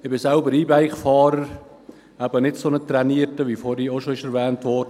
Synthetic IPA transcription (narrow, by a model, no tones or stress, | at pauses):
ɪbɪsɛlbəɾiːbæɪχfɑːɾəɾ | æbənɪtsonət̪ɾɛniːətəʋifoɾioʃoɪʃɛɾvɛːntvɔːɾdə